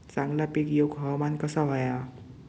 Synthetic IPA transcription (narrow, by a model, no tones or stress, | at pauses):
t͡saŋɡlapekjoɡɦɔmankʌsaɦɔja